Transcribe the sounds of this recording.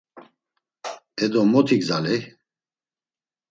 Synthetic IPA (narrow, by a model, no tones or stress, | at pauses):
ɛd̪ɔmɔt̪ʰiɡzalɛ